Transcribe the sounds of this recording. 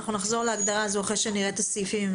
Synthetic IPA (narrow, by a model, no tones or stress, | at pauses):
χnunaχzo̞ʁleaɡd̪aʁazuaχelʃeniʁet̪osifim